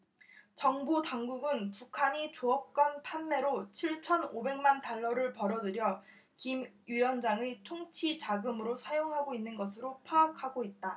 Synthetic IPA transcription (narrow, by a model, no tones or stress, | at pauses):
t͡ɕʌŋbotaŋɡuɡɯnpukʰaɲit͡ɕoʌp̚k͈wʌnpʰanme̞ɾot͡ɕʰiɭt͡ɕʰʌnobe̞ŋmantaɭːʌɾɯɭpʌɾʌdɯɾjʌ | kimjijʌnd͡ʑaŋetʰoŋt͡ɕʰit͡ɕaɡɯmɯɾosʰajoŋɦaɡoinːɯnɡʌsʰɯɾopʰaːkʰaɡoit̚t͈a